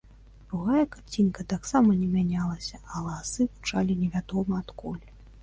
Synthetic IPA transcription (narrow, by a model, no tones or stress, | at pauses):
d̪ɾuɣajɐkat͡sʲinkɐt̪aksamɐnʲɛmʲanʲalˠɐsʲɐɐlˠasɨɣut͡ʂalʲinʲɛvʲad̪ɔmɐːt̪kɔlʲɛ